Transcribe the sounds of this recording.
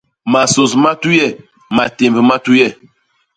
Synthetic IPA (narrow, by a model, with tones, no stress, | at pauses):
ma˨so˨sma˦tu˦jɛ˦˨ | ma˨te˨mbə˨ma˦tu˦jɛ˦˨